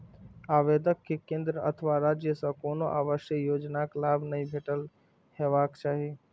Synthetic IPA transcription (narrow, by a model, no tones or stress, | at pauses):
aːʋeːd̪əkʰːekẽːnd̪ɾəə̰t̪ʰəʋaɾaːd͡ʒjəsãkoːnoʔaːʋəʃjəjoːd͡ʒnaklaːbnəɦĩbʱeːʈəl | heːʋaːkt͡ʃaːɦi